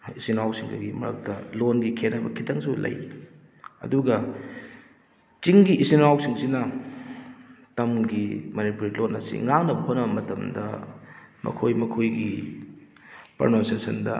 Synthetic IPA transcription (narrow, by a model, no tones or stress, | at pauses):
isinawsiŋdɐ̰ɡimɐ̰ɾɐ̰k̚tɐlonɡikʰenɐbɐkʰitʰɐŋsulɐ̰j | ɐ̰duɡɐ | t͡ʃiŋɡiʔisinawsiŋsinɐ | tɐmɡimɐnipuɾilonɐsḭŋaŋnɐbɐɦonːɐbɐmɐtɐmdɐ̰ | mɐ̰kʰojmɐkʰojɡi | pɐ̰ɾnonsesɐndɐ